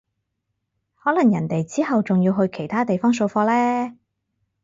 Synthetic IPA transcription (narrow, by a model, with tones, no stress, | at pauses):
hɔː˨˥lɐ˨˩ŋjɐ̰˨˩nt̪e˨jt͡siː˥hɐ˨wt͡sʊ˨ŋjiː˧wɦɵ˧ɥkʰe˨˩jt̪ʰaː˥t̪e˨jfɔː˥ŋs̬o˧wfɔː˧lɛː˥